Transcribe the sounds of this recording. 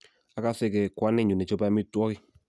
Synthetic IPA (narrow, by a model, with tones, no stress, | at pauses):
a˨˦ka˦sɪ˦˨ke˨kwa˦ne˦˨ɲu˨ne˨t͡ʃo˦ba˧˦mi˦twɔ˦kɪ˦